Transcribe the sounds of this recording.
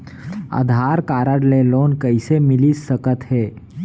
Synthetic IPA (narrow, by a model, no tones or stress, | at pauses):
ə̰d̪ʱaːɾkaːɾəɽleloːnkəɪsemɪlisəkət̪ɦɛː